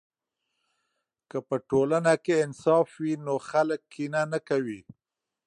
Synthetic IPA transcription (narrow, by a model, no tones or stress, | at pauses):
kəpəʈolanakeɪnsɑfwinoxaləkːinanakawi